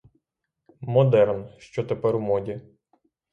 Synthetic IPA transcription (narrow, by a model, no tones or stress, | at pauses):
mɔd̪ɛrnʃt͡ʃɔt̪epɛɾwmɔdʲi